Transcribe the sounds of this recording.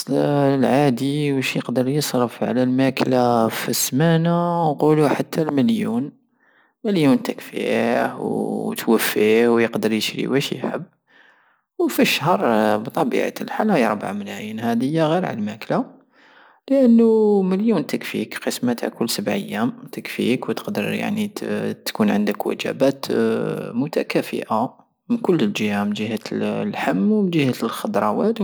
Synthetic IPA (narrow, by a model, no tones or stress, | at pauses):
lʕad̪iwəʃjəqd̪əɾˤjəsˤɾəfʕa̰lælmæklafismænawquluħat̪ʰːalməljṵn | məljunt̪əkfḭhwt̪wəfːihwjəqd̪əɾjəʃɾḭwæʃjħə̰bː | wfəʃhɑɾˤbt̪ˤɑbḭʕ̰t̪əlħalæjɑ̰ɾˤba̰ʕməlæjənhæd̪əjːaɣiɾʕa̰lmækla | ləʔənːuməljunt̪əkfḭkqəsmat̪ʰa̰kʊlsəbʕə̰jːæmt̪əkfḭkwt̪ə̥qd̪əɾja̰ʕnit̪kunʕənd̪əkwə̰d͡ʒæ̰bæt̪ | mʊt̪ækæfə̰ʔa | mənkʊlːəld͡ʒəhamənd͡ʒihælħəmːwmənd͡ʒihæt̪lxɑd̪ɾˤɑwæt̪